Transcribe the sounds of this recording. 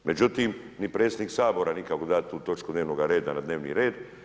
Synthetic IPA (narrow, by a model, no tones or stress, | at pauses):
me̞d͡ʒut̪iːm | nipɾet̪sed̪niksaːbo̞ɾanikakod̪at̪uːt̪o̞t͡ʃkud̪neːʋnoɡaɾe̞ːd̪anad̪ne̞ːʋnḭɾe̞ːd̪